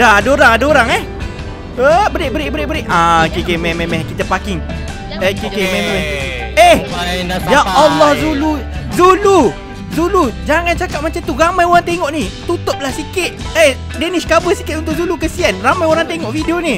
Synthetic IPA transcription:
daadaoɾaŋadaoɾaŋɛh | əbəɾɪʔ̚bəɾɪʔ̚bəɾɪʔ̚bəɾɪʔakekemɛmemɛkit̪apakɪŋ | ekekememɛmɛehjaalːɔhzuluzulu | zulud͡ʒaŋant͡ʃakap̚mat͡ʃamt̪uramajoɾaŋt̪eŋɔʔnit̪ut̪ʊp̚lahsikɪt̪̚e | denɪskabəsikɪt̪̚unt̪ʊʔzulukəsianramajoɾaŋt̪eŋɔʔfideoni

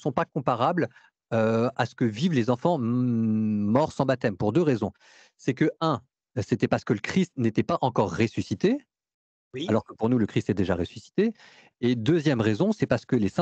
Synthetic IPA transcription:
sɔ̃pakɔ̃paʁabl | øasə̥kəvivlezɑ̃fɑ̃ | mɔʁsɑ̃bat̪ɛmpuʁd̪øʁezɔ̃ | sɛkəɛ̃ | set̪ɛpaʁsə̥kələkχist̪net̪ɛpaʔɑ̃kɔʁːesysit̪e | alɔʁkəpuʁnuləkχist̪ɛd̪eʒaʁesy̥si̥t̪eː | d̪øzjɛmʁezɔ̃sɛpaʁsə̥kəlesɛ̃

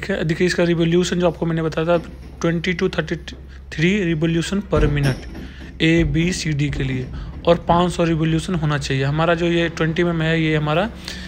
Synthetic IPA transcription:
kʰieɐd̪ʱiːkʰːɪskaɾɪʋoljuːʃənd͡ʒoaːp̚komɛ̃ːnebɐt̪aːjat̪ʰa | ʈwɛ̃ɳʈiʈut̪ʰəɾʈi | t̪ʰɾiɾɪboːljuːʃənpəɾmɪneʈ | eːbiːsiːɖikelieɔːɾpãːt͡ʃsɔɾɪboljuːʃənɦoːnat͡ʃaːɦieɦɐmaːɾad͡ʒoːjeʈwɛ̃ɳʈimẽmeɦjeɦɐmaːɾa

